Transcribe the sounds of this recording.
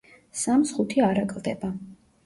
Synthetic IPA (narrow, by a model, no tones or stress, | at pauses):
samsχut̪ʰiaɾakʼlˠd̪ɛba